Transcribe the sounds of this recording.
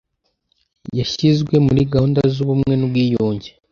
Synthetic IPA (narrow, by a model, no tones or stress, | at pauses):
jaʃizɡwe̞muɾiɡauːndazuβumŋe̞nubɡiːjoːɲɟe